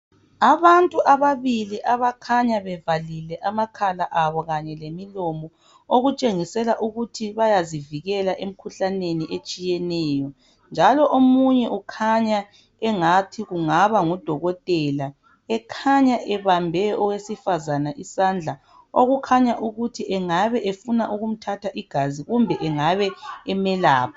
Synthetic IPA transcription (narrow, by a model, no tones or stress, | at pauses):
aβantʼuʔaβaβiliʔaβakʰaɲaβɛvalilɛʔamakʰalaʔaβɔɣaɲɛlemilɔmɔ | oɣut͡ʃʼeŋisɛlaʔuɣutʰiβajaziviɣɛlaʔem̩kʰuɬaneniʔet͡ʃʼijɛnɛːjɔ | nd͡ʒʱalɔʔomuɲɛʔukʰaɲa | ɛŋatʰiɣuŋaβaŋud̥ʱɔɣɔtʼɛla | ɛkʰaɲaʔɛβambʱɛɔwesifazanaʔisand͡ɮʱa | oɣukʰaɲaʔuɣutʰiʔɛŋaβɛʔefunaʔuɣum̩tʰatʰaʔiɡ̥ʱaziɣumbʱɛʔɛŋaβɛɛmɛlaːpʰa